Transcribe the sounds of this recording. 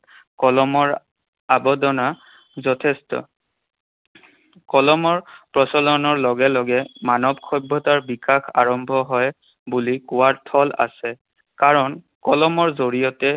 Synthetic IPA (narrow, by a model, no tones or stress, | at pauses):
kɔlɔmɔɹ | abɔdɔna | zɔtʰɛstɔ̰ | kɔlɔmɔɹpɹɔsɔlɔnɔɹlɔɡɛlɔɡɛmanɔbkʰɔjbʱːɔtaɹbikaxa̰ɹɔmbʱɔɦɔj | bulikʊwaɹtʰɔla̰sɛ | kaɹɔn | kɔlɔmɔɹzoɹijɔtɛ